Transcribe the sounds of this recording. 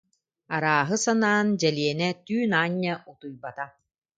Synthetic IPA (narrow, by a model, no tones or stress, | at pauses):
aɾaːɦɯsanaːnd͡ʑɛliɛnɛt̪yːnaːɲːɐʔut̪ujbat̪a